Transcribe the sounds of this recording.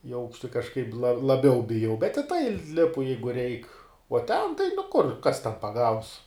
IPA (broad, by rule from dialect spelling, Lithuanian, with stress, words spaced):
ɪ ˈɐʊkʃʲtʲɪ kɐʃˈkɐɪp lˠɐ lˠɐˈbʲɛʊ bʲɪˈjɛʊ bʲɛt ɪ tɐɪ ˈlʲɪpʊ ˈjɛɪɡʊ rʲɛɪk oː tʲɛn tɐɪ nʊ ˈkʊr ˈkɐs tʲɛn pɐˈɡɐʊs